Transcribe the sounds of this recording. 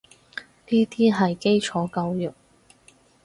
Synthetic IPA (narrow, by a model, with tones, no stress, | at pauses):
t̪iː˥t̪ʰiː˥ɦɐ˨jke˥jt͡ʃʰɔː˨˥kɐ˧wjʊ˨˩k̚